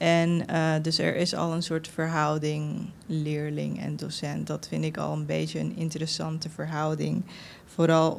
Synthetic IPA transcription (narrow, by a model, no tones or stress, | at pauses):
ɛndɵsɛ̰ɹʔɪsɑ̰lˠənsʊːɹtfəɹɦʌwdɪŋlɪːɹlɪ̰ŋɛ̰ndosɛntdɑtfɪndɪkɑ̰lˠənbejtəənɪ̰ntəɾəsɑntəvəɹɦʌwdɪŋ | foːɾɑlˠ